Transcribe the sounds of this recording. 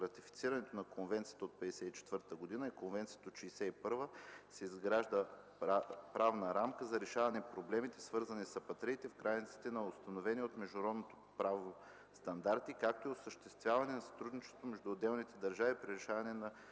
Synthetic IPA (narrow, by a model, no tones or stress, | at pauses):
ɾɐt̪ifi̥t̪siɾɐnɛt̪onɐkonvɛnt̪sijət̪əot̪̚pɛd̪ɛsɛit͡ʃɛ̥t̪vɤɾt̪əɡod̪inəikonvɛnt̪sijə̥t̪əot̪ʃijsɛipɤɾvəsɛizɡɾaʒd̪ə | pɾavnəɾamkəzɐɾɛʃavɐnɛpɾoblɛmit̪ɛsvɤɾzɐnisɐpɐt̪ɾɛit̪ɛfkɾʔajnit̪si̥t̪ɛnɐost̪ɐnovɛniot̪mɛʒd̪ɾɔd̪not̪o̥pɾavo | st̪ɐnd̪aɾt̪ikak̚t̪oiosəʃt̪ɛst̪vʲjavɐnɛnɐsɐ̥t̪ɾud̪nit͡ʃɛ̥st̪vomɛʒd̪uod̪ɛlˠnit̪ɛd̪ɐɾʒavipɾʲiɾɛʃavɐnɛnɐ